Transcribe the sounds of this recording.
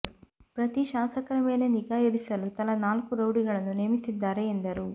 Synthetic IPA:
pɾɐt̪iʃaːsɐkɐɾɐmeːleniɡaːjɐɾisɐlut̪ɐlɐnaːlkuɾɐwɽiɡɐɭɐnuneːmisid̪ːaːɾeːnd̪ɐɾu

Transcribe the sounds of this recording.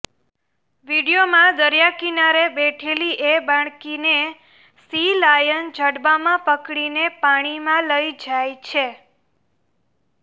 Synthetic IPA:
ʋiɽijomãd̪əɾjakinaɾebeʈʰeliʔebaɳ̃kine | silajənd͡ʒʱəɽbamãpəkɽinepaɽ̃imãləjd͡ʒajt͡ʃʰe

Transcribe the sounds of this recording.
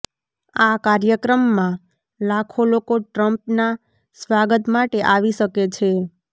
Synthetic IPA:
akaɾjəkɾəmːã | lakʰolokoʈɾəmpna | sʋaɡət̪maʈeʔaʋiʃəket͡ʃʰe

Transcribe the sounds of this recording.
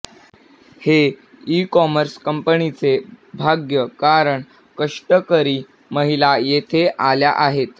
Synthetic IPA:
he | ikɔməɾskəmpənit͡sebʱaɡjəkaɾəɳ | kəʂʈəkəɾiː | məɦilajet̪ʰeʔaljaʔaɦet̪

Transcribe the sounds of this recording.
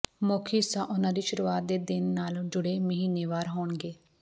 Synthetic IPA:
moːkʰiːsaːʔʊnãːd̪iːʃʊɾuːaːt̪̚d̪eːd̪ɪnːaːld͡ʒʊɽeːməɦiːneːʋaːɾɦoːɳɡeː

